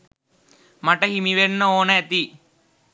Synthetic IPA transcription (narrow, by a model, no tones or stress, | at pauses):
mɐʈɐɦimiʋenːɐoːnɐɐt̪i